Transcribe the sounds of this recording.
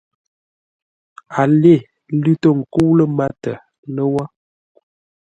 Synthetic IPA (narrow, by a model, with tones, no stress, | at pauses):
a˨le˦˨ | lʉ˦tə˦˨ŋ̩˨ku˦lə˦ma˦tə˨ | nə˦wa˦